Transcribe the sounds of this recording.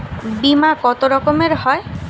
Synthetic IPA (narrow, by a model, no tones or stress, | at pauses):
bimakɔt̪oɾɔkomeɾhɔe